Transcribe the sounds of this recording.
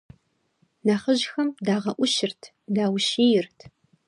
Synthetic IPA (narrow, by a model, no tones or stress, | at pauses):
naːχəʒʑxɐmdaːʁɐʔʷʊʃɪrtʰ | daːwʃiːjɪrtʰ